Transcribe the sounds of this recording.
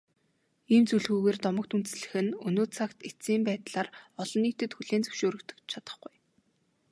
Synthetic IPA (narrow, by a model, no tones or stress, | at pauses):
iːmt͡suɮɣuːɣeːrt̪ɔmə̆k̚t̪unt̪̆sɮɘ̆xɘ̆nɵnoːt͡sʰakt̪et͡siːmpæːt̪ɮaːrɔɮɞ̆nːiːkt̪ɘ̆t̪xuɮeːnt͡sɵ̥wʃoːɾɵ̆kt̪ɵ̥̆kt͡ɕt͡ɕʰat̪ə̥̆χɡuj